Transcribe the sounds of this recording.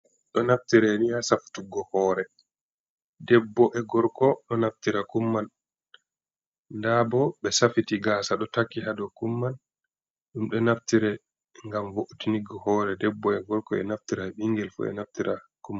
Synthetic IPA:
ɗɔnaftiɾɛniasafu̥tuɡɔhɔːɾɛ | dɛbːɔʔɛɡɔɾkɔɗɔnaftiɾakumːan | nːdabɔɓɛsafitiɡaːsaɗɔtakːiɦadɔkumːan | ɗumɗɔnaftiɾɛ | ŋɡamvoʔutiniɡɔhɔːɾɛdɛbːɔɛɡɔɾkɔɛ̰naftiɾaɓiŋɡɛlfṵɛ̰naftiɾʔakumːa

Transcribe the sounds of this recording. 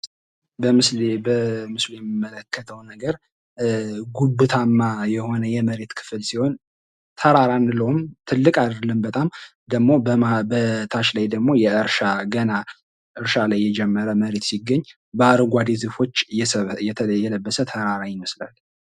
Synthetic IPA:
bəmɨslbəmɨslujɛmːimːələkʰːət̪ʰəwnəɡəɾ | ɡubɨt̪ʰamːajɛho̞nəjɛməɾe̞t̪kʰɨ̥fɨlsiho̞n | t̪ʰəɾaɾanləwumt̪ʰɨlːɨkʼad̪dlɨnbət̪ʼam | d̪əɡmo̞abət̪ʰaʃlajd̪əɡmo̞jɛʔɨɾʃaɡəna | ʔɨɾʃalajːɛd͡ʒɛmːəɾəməɾe̞t̪siɡːəɲː | bəaɾɡʷad̪ezɨfo̞t͡ʃːjɛt̪ʰjɛləbːəsət̪ʰəɾaɾajməsla̰l

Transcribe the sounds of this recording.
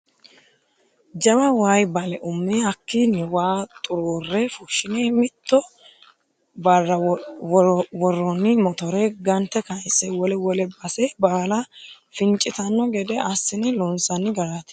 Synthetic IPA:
d͡ʒɐbɐwaːjbɐlɛʔʊmːɛɐkːinɪwaːt̪ʼʊɾoːrːɛfʊʃːɪnemɪt̪ːɔ | bɐrːɐwɔwɔrːɔnːɪmɔt̪ɔɾɛɡɐnt̪ːɛkɐjsːɛwɔlɛwɔlɛbɐsɛbaːlɐ | fɪnt͡ʃʼːɪt̪ɐnːɔɡɛd̪ɛɐsːɪnɪlɔnsɐnːɪɡɐɾat̪

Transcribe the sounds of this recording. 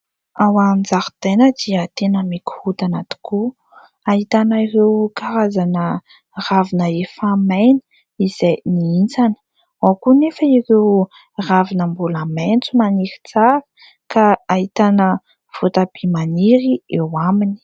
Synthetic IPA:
awad͡zaɾi̥t̪enəd̪iət̪enəmiku̥hut̪anat̪i̥ku | aɦit̪anəirewkaɾazanə | ravinəefamajnə̥ | iz̥ejniint͡sanə̥ | wakunefəiɾew | ravinəmbulament͡sumaniɾi̥t͡saɾə̥ | kaːɦit̪anə | v̥ot̪ab̥emaniɾiewamini̥

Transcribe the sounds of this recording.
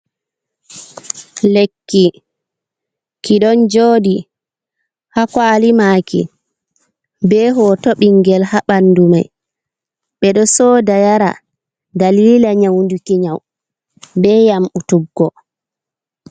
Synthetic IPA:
lekːi | kiɗɔnd͡ʒoːdi | hakwaːlimaːkḭ | bɛːɦɔtoɓiŋɡɛlhaɓanːduma̰j | ɓɛɗɔsɔːdajaɾa̰ | dalilaɲawndukiɲaw | bɛːjamʔutubɔ

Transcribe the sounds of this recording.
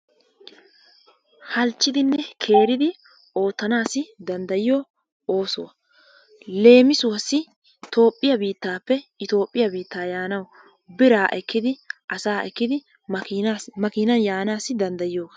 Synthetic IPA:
hɐlt͡ʃːɪd̪ɪnːɛkʰe̞ːɾɪd̪ɪ | o̞ːt̪ːɐnaːsɪd̪ɐnd̪ɐjɪjo | o̞ːsɔ̰wɐ | le̞ːmɪsʊwɐsːɪ | t̪o̞ːpʼːɪjɐbiːt̪ːaːpːɛɪt̪o̞ːpʼːɪjɐbiːt̪ːaːjaːnɐw | bɪɾaːʔɛkːɪd̪ɪʔɐsaːʔɛkːɪd̪ɪ | mɐkɪnɐnjaːnaːsɪd̪ɐnd̪ɐjɪjoːɡɐ

